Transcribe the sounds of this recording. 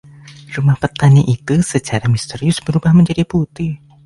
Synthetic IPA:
ɾumahpət̪aniʔit̪usət͡ʃaɾamist̪əɾiʊsbəɾubahməɲd͡ʒadiput̪ɪh

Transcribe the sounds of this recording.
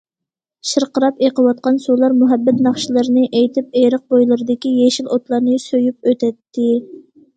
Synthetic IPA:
ʃəɾqəɾɑpeqəwɑt̪̚qɑnsulˠɑɾmuɦæbːɛt̪nɑχʃilˠɨɾɨnɨʔejt̪ʰɪp̚eɾəq̚bojlˠɨɾɨd̪ɪkʲijeʃilot̪lˠɑɾnɨsøjyp̚øt̪ʰɛt̪ʰːɪ

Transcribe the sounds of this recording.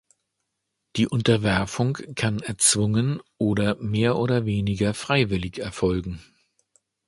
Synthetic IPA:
d̥iːʔʊntɐvɛɐfʊŋkʰanɛɐt͡sv̥ʊŋənʔoːɾɐmeːɐʔoːdɐveːnɪɡɐfʁ̥aɪvɪlɪçɛɐfɔlɡŋ̩

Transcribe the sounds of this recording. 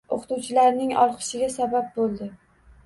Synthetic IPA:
o̰qʰt̪uwt͡ʃʰɪlaɾnɪŋɒ̰lˠqʰɨ̥ʃɪɡʲasabap̚bolˠd̪ɪ

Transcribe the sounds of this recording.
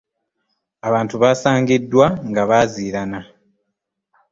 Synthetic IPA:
aβaːntuβaːsaːŋɡidːwaŋɡaβaːziːɾana

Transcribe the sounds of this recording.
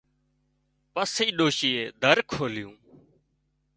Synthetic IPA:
pəsiːɗoːʃiːeːd̪ʱəɾkʰoːlɪjũː

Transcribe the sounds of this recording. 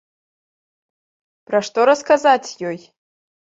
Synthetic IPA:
praʂtoɾaskazatʲʰjoj

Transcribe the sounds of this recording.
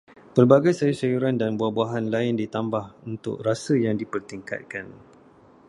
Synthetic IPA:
pərbaɡajsajusajuɾandanbuahbuaɦanlaɪndit̪ambahunt̪ʊ̰k̚rasəjaŋdipərt̪iŋka̰t̪̚kan

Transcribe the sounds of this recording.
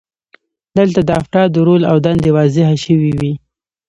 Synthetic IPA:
d̪əlt̪ad̪əafʈɑd̪əɾolawd̪and̪ewɑzɪɦaʃəwiwi

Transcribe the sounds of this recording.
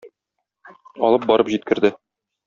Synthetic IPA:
ɒ̰lˠɤp̚bɒɾɤpʑit̪̚kɘ̆ɾd̪ɘ

